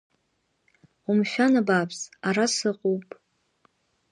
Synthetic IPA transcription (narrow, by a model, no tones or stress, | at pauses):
umʃᶣanabapʰzaɾasɨqʼuwpʼ